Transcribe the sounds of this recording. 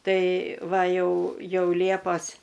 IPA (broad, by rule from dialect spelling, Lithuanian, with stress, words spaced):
ˈtɐɪ ˈʋɐ ˈjɛʊ ˈjɛʊ ˈlʲiɛpɐs